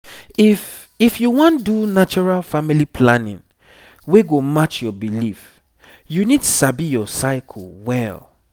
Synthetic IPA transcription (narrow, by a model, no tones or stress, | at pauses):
if | ifjuwɔ̃ndunat͡ʃɔɹalfamilipʰlãnḭ̃n | weɡomat͡ʃjɔbilif | junidsabijɔsaɪkʰɔlwɛl